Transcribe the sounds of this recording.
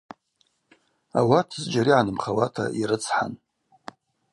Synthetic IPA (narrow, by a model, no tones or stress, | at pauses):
a̰watʰzd͡ʒaɾiʕanɨmχawatʰa̰ʔiɾɨt͡sʰħa̰n